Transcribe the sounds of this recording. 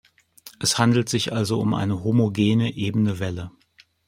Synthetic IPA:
ʔɛshandl̩tz̥ɪçʔalzoʊmʔa̰ɪnəɦomoɡeːnəʔeːbənəvɛlə

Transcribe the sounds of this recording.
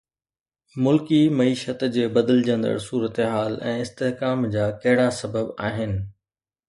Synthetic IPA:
mʊlkimɐiːʃət̪d͡ʑeːbɐd̪əld͡ʑə̃nd̪ə̰ɽsuːɾət̪eɦaːlɛ̃ːɪst̪eɦkaːmd͡ʑaːkɐɦɪɽasɐbəbaːɦɪnɪ̆

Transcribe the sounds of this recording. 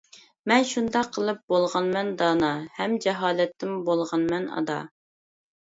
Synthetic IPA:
mɛnʃund̪ɑqʰːəlˠɨp̚bolˠʁɑnmɛnd̪ɑːnɑhɛmd͡ʒɛɦɑːlɛt̪ʰːɪmbolˠʁɑnmɛnɑ̰d̪ɑ̰

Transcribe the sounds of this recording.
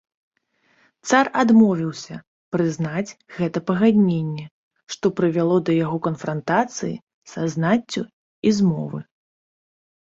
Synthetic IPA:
t̪sarad̪mɔvʲiwsʲɐ | pɾɨznad͡zʲɣɛt̪ɐpɐɣad̪ʲnʲenʲːɛ | ʂt̪ɔpɾɨvʲalˠɔd̪ɐjaɣɔkɐnfɾant̪at̪sɨjḭ | saznat͡sʲːu | izmɔ̰vɨ

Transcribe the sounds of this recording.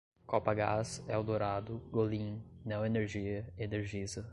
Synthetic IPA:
kɔpɐɡasɛʊd̪oɾad̪ʊɡolĩɲnẽw̃eneɾʒiɐeneɾʒizɐ

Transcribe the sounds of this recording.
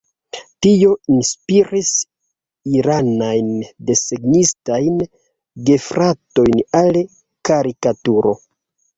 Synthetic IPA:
tio̞inspiɾis | iɾanajnde̞seɡnistajn | ɡe̞fɾʔato̞jnal | kaɾikatuɾo̞̰

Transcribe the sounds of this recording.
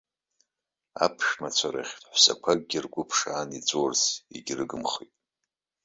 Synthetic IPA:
a̰pʰʃᶣmat͡ɕʷʰaɾa̰χʲħʷsa̰kʷʰaɡ̚ɡʲɪrɡʷʊpʰʂaːnit͡sʷʼorsiɡʲrɨɡɨmχitʼ

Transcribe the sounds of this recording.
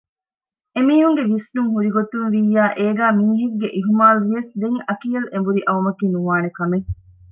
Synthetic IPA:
emiːɦuŋɡeʋisnuŋɦuɾiɡot̪unʋiːjːaːʔeːɡæːmiːɦeɡɡːeʔiɦumaːluʋiʋɐsd̪eŋɐkiːɐlembuɾiʔɐʋɐmɐkiːnuʋaːnekɐmeŋ

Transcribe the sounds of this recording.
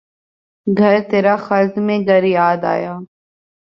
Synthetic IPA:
ɡʱɐɾt̪eːɾaxɐɾzmẽɡəɾjaːd̪a̰ːjaː

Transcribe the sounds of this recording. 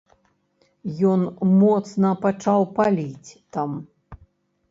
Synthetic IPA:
jɔnmɔt̪snɐpat͡ʂawpalʲit͡sʲt̪am

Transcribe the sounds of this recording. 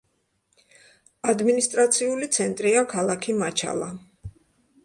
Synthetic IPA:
ad̪minist̪ʼɾat̪sʰiulit̪sʰɛnt̪ʼɾiakʰalˠakʰimat͡ʃʰa̰lˠa

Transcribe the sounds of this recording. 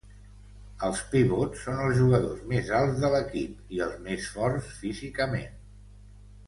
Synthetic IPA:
əlˠspiβɔtsːonəlˠzʒuɣəðozmezalˠzðələkipiəlˠzmesfɔrsfizikəmḛn

